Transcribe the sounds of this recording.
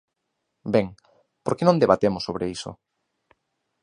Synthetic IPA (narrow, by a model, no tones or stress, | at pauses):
beŋ | poɾkenõnd̪eβat̪emʊsːoβɾeiso̰